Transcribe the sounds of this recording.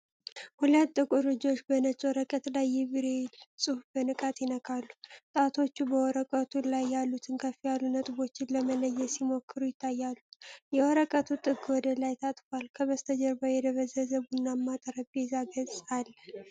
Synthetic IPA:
hulət̪ːɨkʼuɾɨd͡ʒo̞t͡ʃːbənət͡ʃʼwɔɾəkʼət̪lajːɛbiɾelsʼɨhbənɨkʼat̪jɪnəkʰʼalːut̪ʼat̪ʰo̞t͡ʃːubəwɔɾəkʼət̪ʰulajːalːut̪ʰɨnkʰəfijalːunət̪ʼbo̞t͡ʃːɪnləmələjːɛsimo̞kʰːɨɾujɪt̪ʰːajːalːujɛwɔɾəkʼət̪ʰut̪ʼɨɡɨwɔd̪əlajt̪ʰat̪ʼfalkʰəβəst̪ʰəd͡ʒəɾbajɛd̪əβəzəzəβunːamːat̪ʼəɾəbezaɡəzʼalːə

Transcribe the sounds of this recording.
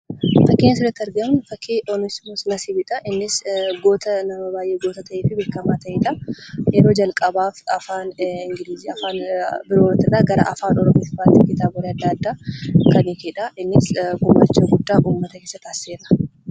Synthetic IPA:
fɐkːenːɐsɪrɐt̪ːɐɾɡɐmfɐkʰːeʔɔnɪsmɔsnɐsɪbɪᶑ̪ʼɐʔɪnːɪsɡo̞ːt̪ɐnɐmɐbaːjʔeːɡoːt̪ɐt̪ɐʔeːfɪbeːkːɐmaːt̪ɐʔeːᶑɐjɛɾo̞ːd͡ʒɐlkʼɐbaːfɐfaːnɪŋɡɪliːziɐfaːnbɪɾoːɾɐt̪ːɪraːɡɐɾɐ̰ʔɐfaːnɔɾɔmiːt̪ɪ̥faːt̪ːiɡɪt̪aːbɔɾeɐd̪ːɐɐd̪ːaːkɐnikeːᶑɐɪnːɪsɡʊmːa̰ːt͡ʃːeɡʊd̪ːaːʔuːmːɐt̪ɐkeːsːɐt̪aːseːɾɐ̥

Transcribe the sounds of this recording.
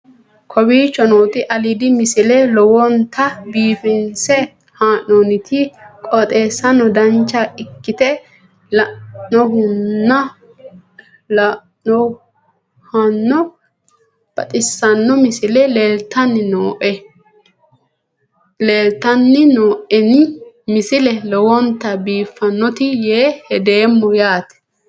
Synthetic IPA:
kʰɔbiːt͡ʃːɔnoːt̪ɪʔɐlid̪ɪmɪsɪlɛlɔwɔnt̪ʰɐbiːfɪnsɛ | haːʔoːnɪt̪ʰɪkʼɔt̪ʼe̞ːsːɐnɔd̪ɐnt͡ʃːɐʔɪkːɪt̪ɛ | lɐnɔɦʊnːɐ | lɐ | ɔ | hɐnːɔ | b̥ɐt̪ʼɪsːɐnːɔmɪsɪlɛleːlt̪ːɐnːɪnoːʔɛ | leːlt̪ɐnːɪnoːʔɛnɪ | mɪsɪlɛlɔwɔnt̪ːɐbiːfːɐnːɔt̪ɪjeːhɛd̪e̞ːmːɔjaːt̪ɛ̥

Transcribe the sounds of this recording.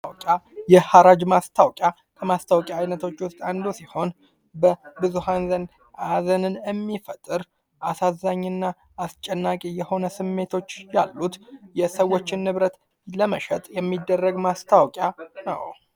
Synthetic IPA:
wkʼjajɛhaɾad͡ʒmast̪ʰawkʼja | kʰəmast̪ʰawkʼjaːjnət̪ʰo̞t͡ʃːwʊst̪ʼand̪osiho̞n | bəbɨzuhanzən | ʔazənɨnjɛmːifət̪ʼːɨɾ | ʔasazːaɲːɨnːaː | st͡ʃʼɛnːakʼijɛho̞nəsɨmːe̞t̪ʰo̞t͡ʃːjalːut̪jɛsəwːo̞t͡ʃːɪnːɨβɾət̪ | ləməʃɛt̪ʼjɛmːid̪ːərːəɡmast̪ʰawkʼjanə̰w

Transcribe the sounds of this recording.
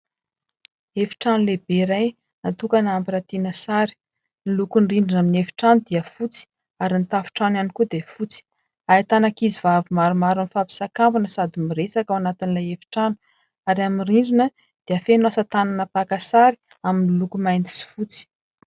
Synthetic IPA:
efi̥ʈ͡ʂanulebeɾaj | nat̪ukanampiɾat̪inəsaɾi̥ | nilukunriɳɖ͡ʐinaminefi̥ʈ͡ʂanud̪iəfut͡si̥ | aɾinit̪afu̥ʈ͡ʂananikud̪efut͡si̥ | ait̪anakizivavimaɾumaɾunifapi̥sakambunəsad̪imiresakawanat̪inilajefi̥ʈ͡ʂanu̥ | aɾiaminriɳɖ͡ʐinə | d̪̥eəfenasət̪ananapakasaɾi̥ | aminilukumajnt̪i̥si̥fut͡si̥

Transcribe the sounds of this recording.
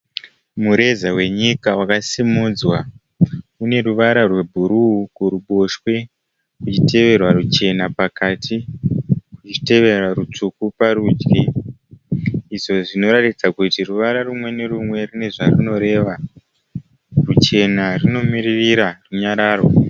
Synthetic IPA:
muɾe̞zawe̞ɲikawakasimud͡zwa | une̞ruʋaɾarwe̞bʱuɾuukuɾuɓo̞ʃwe̞ | kut͡ʃite̞ʋe̞rwaɾut͡ʃe̞napakatʰi | kut͡ʃi̥te̞ʋe̞rarut͡ʂukupaɾuːd͡ʒɡe | iʐo̞ʐino̞ɾatid͡zakutiruʋaɾarumwe̞ne̞rumwe̞rine̞ʐarino̞ɾe̞ʋa | rut͡ʃe̞narino̞miririɾaruɲaɾaːrwa

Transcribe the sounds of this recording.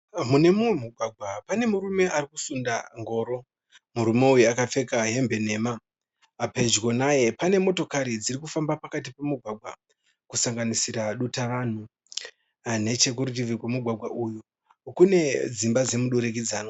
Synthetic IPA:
mune̞muwemuɡʱwaɡʱwapane̞muɾume̞ʔarikusunda̰ŋɡo̞ːɾo̞ | muɾume̞ujuakafe̞kaɦe̞mbe̞ne̞ma | pe̞d͡ʒɡonaje̞pane̞mo̞to̞kaɾid͡zirikufambapakat̬ipe̞muɡʱwaɡʱwa̰ | kusaŋɡanisiɾaɗutaʋan̤u | ne̞t͡ʃe̞k̬urut̬ivikwemuɡʱwaɡʱwa̰ʔuju | kune̞d͡zimbad͡ze̞muɗoɾek̬id͡zaːno

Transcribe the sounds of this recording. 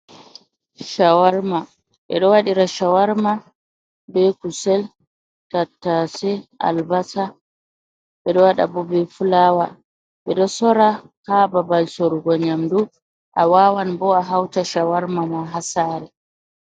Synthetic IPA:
ʃawaɾma | ɓɛ̰ɗɔwaɗiɾaʃawaɾma | bɛkusɛl | tatːasɛa̰lbasa | ɓɛɗɔwaɗa̰bɔbɛfulaːwa | ɓɛɗɔsɔɾahababalsɔɾuɡɔɲamdu | ʔawawanbɔaɦawtaʃawaɾmamaɦasaːɾɛ

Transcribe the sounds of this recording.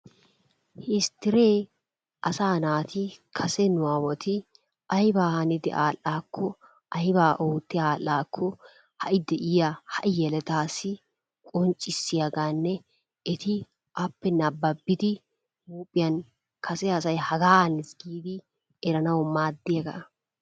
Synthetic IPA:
hɪst̪ɪɾe̞ː | ɐsaːnaːt̪ɪkʰɐsɛnʊwaːwɔt̪ɪ | ɐjbaːhɐnɪd̪ɪ̰ʔaːlːaːkʰːɔ | ʔɐjbaːʔoːt̪ːɪaːlːaːkʰːɔ | hɐʔɪd̪ɛʔɪjahɐʔɪjɛlɛt̪aːsɪ | kʼɔnt͡ʃʼːɪsːɪjɐɡaːnːɛ | ɪt̪ɪ | ʔɐpːɛnɐbːɐbːɪd̪ɪ | muːpʼːɪjɐn | kʰɐsɛɐsɐjhɐɡaːhɐnɪsɡiːd̪ɪ | ɛɾɐnɐwɔmaːd̪ːɪjɐɡɐ̰

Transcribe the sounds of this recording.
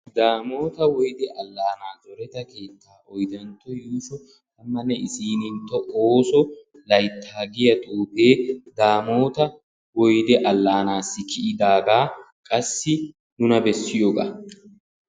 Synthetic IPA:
d̪aːmo̞ːt̪ɐwɔjd̪ɛʔɐlːaːnaːzɔɾɛt̪ɐke̞ːt̪ʰːaːʔɔjd̪ɐnt̪ːɔjuːʃɔ | t̪ɐmːɐnːɛʔɪsiːnɪnt̪ːɔʔoːsɔ | lɐjt̪ʰːaːɡɪjɐt̪ʼuːpe̞ːd̪aːmoːt̪ɐ | wɔjd̪ɛʔɐlːaːnaːsːɪkɪʔɪd̪aːɡaː | kʼɐsːɪ | nʊnɐbɛsːɪjoːɡa̰ː

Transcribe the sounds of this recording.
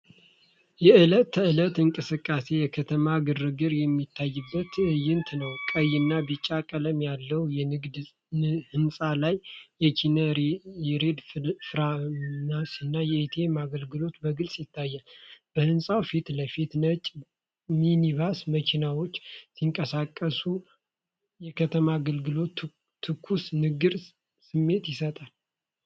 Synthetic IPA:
jɛɨlət̪ʰɨlət̪ɨŋkʼɨsɨkʼːase̞jɛkʰət̪ʰəmaɡɨrɨɡɨɾjɛmːit̪ʰːajːɨbːət̪jɪnt̪ʰnəwkʼəjːɨnːabɨt͡ʃʼːakʼələmjalːəwjɛnɨɡd̪ | hɨnsʼalajːɛt͡ʃinəɾɾed̪fɾanasɨnːajɛet̪ʰe̞maɡəlɡɨlo̞t̪bəɡɨlsʼjɪt̪ʰːajːalb̥əhɨnsʼawfit̪ləfit̪nət͡ʃʼ | miniβasməkʰinawo̞t͡ʃːsiŋkʼəsakʼːəsu | jɛkʰət̪ʰəmaɡəlɡɨlo̞t̪ʰː | ɨkʰːusnɨɡɨɾ | sɨmːe̞t̪jɪsət̪ʼal

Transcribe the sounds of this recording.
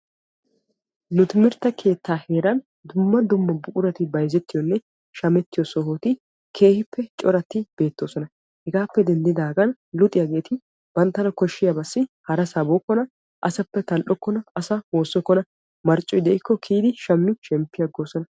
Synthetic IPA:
nʊt̪ɪmɪɾt̪ːɐkʰe̞ːt̪ːaːhe̞ːɾɐn | d̪ʊmːɐd̪ʊmːɐbʊkʼʊɾɐt̪ɪbɐjzɛt̪ːɪjɔnːɛ | ʃɐmɛt̪ːɪjɔsɔɦoːt̪ɪ | kʰe̞ːhɪpːɛt͡ʃʼɔɾɐt̪ːɪb̥e̞ːt̪ːoːsɔnɐ | hɛɡaːpːɛd̪ɛnd̪ɪd̪aːɡɐn | lʊt̪ʼɪjɐɡe̞ːt̪ɪ | b̥ɐnt̪ːɐnɐkɔʃːɪjɐbɐsːɪhɐɾɐsɐboːkːɔnɐ | ʔɐsɐpːɛt̪ɐlʔɔkːɔnɐɐsɐhoːsːɔkːɔnɐ | mɐɾt͡ʃʼːɔjd̪ɛɪkːɔkʰiːd̪ɪʃɐmːɪʃɛmpːɪjɐɡːoːsɔnɐ

